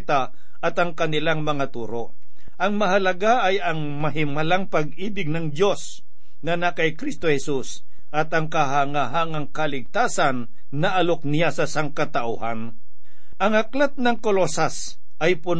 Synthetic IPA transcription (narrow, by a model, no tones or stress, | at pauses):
t̪a | ʔɐt̪ɐŋkɐnɪlaŋmɐŋat̪uːɾoʔ | ʔɐŋmɐɦɐlɐɡaʔɐjɐŋ | mɐɦɪmɐlaŋpɐɡiːbɪɡ̚nɐŋd̪jo̞s | nɐnakɐjkɾist̪ohɛsus | ʔɐt̪ɐŋkɐɦaŋaɦaŋɐŋkɐlɪɡ̚t̪aːsanː | ɐʔɐlok̚nɪjasɐsaŋkɐt̪ɐʔʊhan | ʔɐŋhɐklat̪̚nɐŋkolosas | ʔɐjpʊn